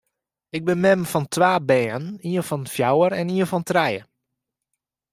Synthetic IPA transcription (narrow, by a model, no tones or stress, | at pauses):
ɪɡ̚bəmɛmfɔntʋaːbɛːəniəfɔnfjawəɾɛniəfɔntrɛjə